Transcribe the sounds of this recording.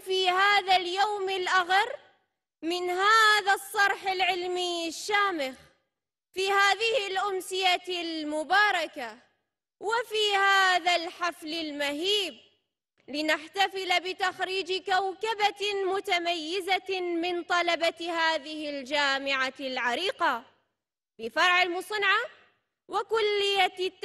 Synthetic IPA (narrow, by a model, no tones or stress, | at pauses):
fiːhaːðaljawmɪlʔaɣɑɾ | mɪnhaːðasˤːɑɾˤħɪlʕɪlmiʃːaːmɪx | fiːhaːðɪhɪlʔʊmsɪjalmʊbɑːɾˤɑka | wɪfiːhaːðalħaflɪlmaɦiːb | lɪnaħt̪afɪlbɪt̪axɾiːd͡ʒkawkabamʊt̪amajːɪzamɪnt̪ˤɑlɑbahaːðɪhɪld͡ʒaːmɪʕalʕaɾiːqa | bɪfɑɾˤʕɪlmʊsˤɨnʕa | wɪkʊlːɪjːa